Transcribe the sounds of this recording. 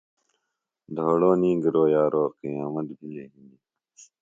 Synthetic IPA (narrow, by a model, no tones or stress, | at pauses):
d̪ʱoːɽoːnĩːɡəɾoːjaːɾoːqijaːmɐt̪bʱieɦini